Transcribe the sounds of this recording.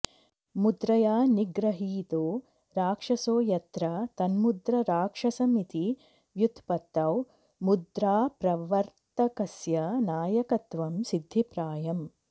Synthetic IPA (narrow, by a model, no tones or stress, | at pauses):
mud̪ɾɐjaːniɡɾɐɦiːt̪oː | ɾaːkʂɐsoːjɐt̪ɾɐt̪ɐnmud̪ɾɐɾaːkʂɐsɐmit̪i | ʋjut̪ʰpɐt̪ːɐw | mud̪ɾaːpɾɐʋɐɾt̪ɐkɐsjɐnaːjɐkɐt̪ʋɐmsid̪ʱːipɾaːjɐm